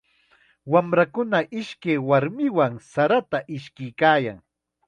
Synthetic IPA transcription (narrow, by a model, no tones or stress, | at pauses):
wamɾakʊnaʔɪʃkejwaɾmɪwaŋsaɾat̪aʔɪʃkɪjkaːja̰ŋ